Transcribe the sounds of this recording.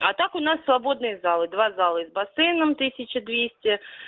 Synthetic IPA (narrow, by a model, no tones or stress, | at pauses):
ɐt̪akʊnasːvɐbo̞d̪nɨjəzalˠɨd̪vazalˠəzbɐsɛjnəmt̪ɨsʲɪt͡ɕɪd̪vʲesʲtʲɪ